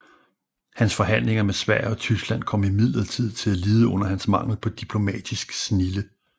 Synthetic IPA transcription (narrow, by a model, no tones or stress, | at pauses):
hænsfɒ̽ɦæn̰le̝ŋɐmesʋæɐ̰ɒ̽t͡sʰysɡ̥læn̰kʰɒ̽m̰imið̞̰ˠlɐt͡sʰið̞̰ˠt͡sʰe̝læliːð̞ˠəɔ̽n̰ɐhænsmɑ̈ŋ̰l̩ˠpʰɒ̽d̥ipʰlo̝mɛ̰ːd̥isɡ̥snilə